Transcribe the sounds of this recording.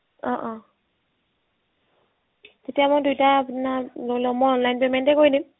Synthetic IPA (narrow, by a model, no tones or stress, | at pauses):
ɔʔɔ | tetiamɔdujtaːpnalolɔmɔɔnlajnpemɛntɛkojdim